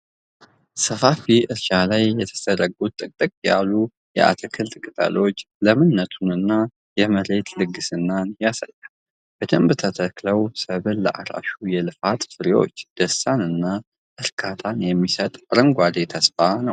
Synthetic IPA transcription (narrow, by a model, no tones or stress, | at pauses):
səfafiʔɨɾʃalajːɛt̪ʰə̥səɾəɡut̪ʼːɨkʼt̪ʼɨkʼja̰lːu | jɛ̰ʔa̰t̪ʰəkʰɨlt̪ʼɨkʼɨt̪ʼa̰lo̞t͡ʃː | ləmɨnːət̪ʰunɨnːa | jɛməɾe̞t̪lɨɡːɨsɨnːanjasa̰jːal | b̥əd̪əmbɨt̪ʰət̪ʰəkləwsəβɨlləʔa̰ɾa̰ʃujɛlɨfat̪fɨɾiwo̞̰t͡ʃːd̪̥əsːanɨnːa | ʔɨɾkʰat̪ʰanjɛmːisət̪ʼɾəŋɡʷad̪et̪ʰəsfanəw